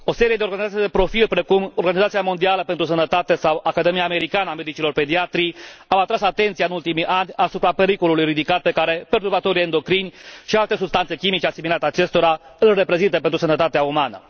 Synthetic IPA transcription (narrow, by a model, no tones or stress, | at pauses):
o̞se̞ɾijed̪eo̞rɡanizat̪ijd̪e̞pɾo̞filpɾe̞kumo̞rɡanizat̪siamo̞nd̪ialəpe̞nt̪ɾusənət̪at̪e̞sawʔakad̪emijaːme̞ɾikanəame̞d̪it͡ʃilo̞rpe̞d̪iat̪ɾiawat̪ɾasat̪e̞nt̪siaɨnult̪imiʔanʲasupɾape̞ɾiko̞lulujrid̪ikat̪̚pe̞kaɾe̞pert̪urbat̪o̞ɾiend̪o̞kɾinʲʃialt̪e̞subst̪ant̪se̞kʲimit͡ʃe̞asimilat̪at͡ʃe̞st̪o̞ɾaɨlʲre̞pɾe̞zint̪əpent̪ɾusənət̪at̪eaumanə̰